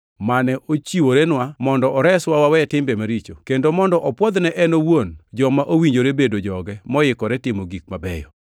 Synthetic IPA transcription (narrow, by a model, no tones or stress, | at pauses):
manɛʔot͡ʃiwoɾɛnwamɔndɔɔɾɛswawawɛtɪmbɛmaɾit͡ʃokendomɔndɔʔɔpwɔd̪nɛʔɛnowond͡ʒɔmaʔowiɲd͡ʒoɾebedod͡ʒɔɡɛmɔjɪkɔɾɛtɪmoɡik̚mabɛ̰jɔ̰